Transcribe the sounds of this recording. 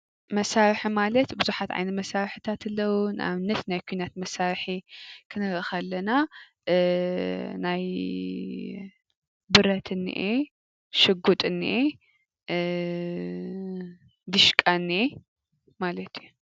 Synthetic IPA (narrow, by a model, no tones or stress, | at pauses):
mɐsaɾħimalɐt̪bɨzuħat̪ʕa̰jnɐmɐsaɾħɨt̪ʰat̪ʰɨlːɐwunʔa̰βɨnːɐt̪najkʰuinat̪mɐsaɾħikʰɨnɨɾɨxalːɐna | naj | bɨɾɐt̪ʰɨnːḭʔe | ʃɨɡut̪ʼɨnːḭʔe | d̪ɨʃkʼanːi | malɐt̪ju